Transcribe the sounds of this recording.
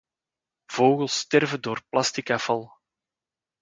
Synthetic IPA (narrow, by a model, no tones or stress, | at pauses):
v̥oːɣəlˠstɛrvədoːrplɑstikɑfɑlˠ